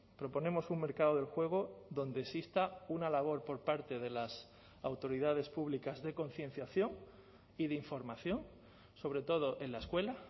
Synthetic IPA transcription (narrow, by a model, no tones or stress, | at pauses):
pɾo̞po̞ne̞mo̞suŋme̞ɾkaðoð̞e̞lxwe̞ɣ̞o̞ðo̞nd̪esist̪aunalaβ̞o̞ɾpo̞ɾpaɾt̪e̞ðe̞las | awt̪o̞ɾiðað̞e̞spuβlikazðe̞ko̞nθje̞n̟θjaθjo̞ŋ | iðeiɱfo̞ɾmaθjo̞ŋ | so̞βɾe̞t̪o̞ð̞o̞ʔe̞nlae̞skwe̞la